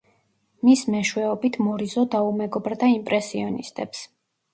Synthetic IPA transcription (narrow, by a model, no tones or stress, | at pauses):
mismɛʃwɛɔbit̪ʰmɔɾizɔd̪aumɛɡɔbɾd̪aimpʼɾɛsiɔnḭst̪ʼɛ̰ps